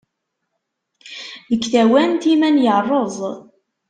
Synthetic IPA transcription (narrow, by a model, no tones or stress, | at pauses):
ðəkːθæwænt̪imænjərˤːozˤ